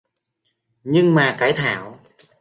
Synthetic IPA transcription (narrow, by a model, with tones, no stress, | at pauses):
ɲɨ˧ŋmaː˨˩kaː˧˩jt̪ʰaː˧˩˨w